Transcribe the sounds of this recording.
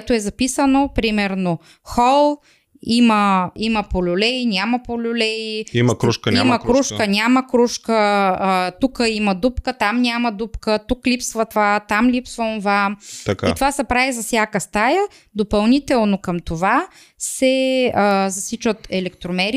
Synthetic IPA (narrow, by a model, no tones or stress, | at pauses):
t̪oɛzɐpisənopɾimɛɾno | xɔlˠ | iməimɐpolʲʊlɛinʲamɐpolʲʊlɛjiimkɾuʃkəimɐkɾuʃkənʲaməkɾuʃkəː | t̪ukəimɐd̪upkət̪amnʲamɐd̪upkət̪uklipsvət̪vat̪amlipsvəonvamt̪ɐka̰it̪ovasɐpɾavizɐfsʲjakəst̪ajə | d̪opɐlˠnit̪ɛlˠnokɐmt̪ova | sɛəzɐsit͡ʃət̪ɛlɛkt̪ɾomɛɾi